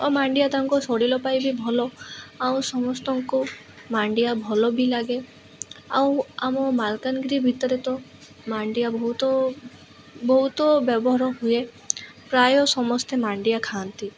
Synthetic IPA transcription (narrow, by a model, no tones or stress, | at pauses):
ɔmaɳɖijat̪amkɔsɔɽilɔpajbʱibʱɔlɔaw̃sɔmɔst̪ɔŋko | maɳɖijabʱɔlɔbʱilaɡe | awamɔmalkanɡɾibʱit̪ɔɾet̪ɔ | maɳɖijabɔɦut̪ɔ | bɔɦut̪ɔbjɔbɔɦɾɔɦue | pɾajɔsɔmɔst̪emaɳɖijakʰant̪i